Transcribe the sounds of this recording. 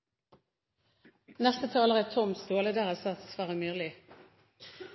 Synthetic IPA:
nɛst̪ət̪ʰɑːləʁət̪ʰɔmst̪oːləd̪æːʁəsɑt̪sʋæːʁəmyːʁlɪ

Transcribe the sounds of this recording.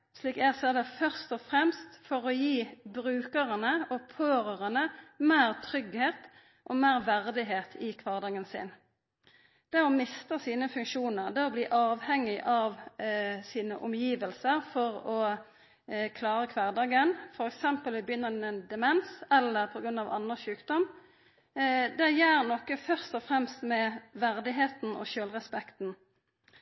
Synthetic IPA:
ʂliːkæsɛd̪ɛfœʁst̪ɔfʁɛmst̪fɔʁɔjiːbʁʉːkəʁənəɔpʰoːɾəʁənəmeːʁt̪ʰʁʏɡheːt̪ | ʔɔmeːʁʋæʁd̪ɪɦeːt̪ʰɪkʰʋɑːʁd̪ɑːɡənsɪ̰n | d̪̥ɛʁɔmɪst̪əsiːnəfʉŋkʃuːnəʁd̪ɛɔbliːʔɑːʋhɛŋːɪʔɑʋsiːnəʔʊmjiːʋəlsəʁfɔʁɔ | kʰlɑːɾəkʰʋɑːʁd̪ɑːɡənfɔɾɛksɛmpəlʋɪbjʏnːənɛnd̪ɛmɛnsɛlːəʁpʰɔɡɾʉnɑʋɑ̰nəʃʉːkd̪̥ɔm | d̪ɛjæːʁnɔkəfœʁst̪ɔfʁɛmst̪mɛʋæʁd̪ɪɦeːt̪n̩ɔ̰ʃøːlʁɛspɛkt̪n̩

